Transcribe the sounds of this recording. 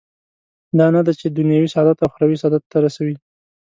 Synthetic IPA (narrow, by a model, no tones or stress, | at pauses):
d̪ɑnad̪at͡ʃed̪ʊnjɑwisɑd̪at̪awxɾɑwisɑd̪at̪ːaɾasawi